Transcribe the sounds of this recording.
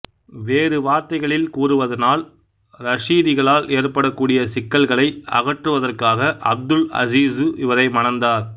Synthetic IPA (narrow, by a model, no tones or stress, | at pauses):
ʋeːrɯʋaːɾt̪ɐɪɣɐɭɪlkuːrɯʋɐðɐnaːl | ɾɐʂiːðɪɣɐɭaːlʔeːrpɐɽɐkːuːɽɪjɐsɪkːɐlɣɐɭɐɪʔɐ̰ɣɐʈrɯʋɐðɐrkaːɣɐʔɐ̰b̚d̪ɯlɐ̰ziːsɯʔɪʋɐɾɐɪmɐnɐnd̪aːɾ